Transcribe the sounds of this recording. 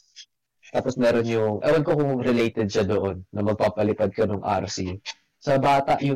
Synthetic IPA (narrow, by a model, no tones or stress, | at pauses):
t̪aːposmɛːɾonjʊŋʔɐ̰wɐnkokʊŋɾɪlejt̪ɛd̪̚ʃɐd̪oʔonːɐmɐɡ̚paːpɐlɪpɐd̪̚kɐnoŋʔa̰ɾsi | sɐbaːt̪ɐʔjʊ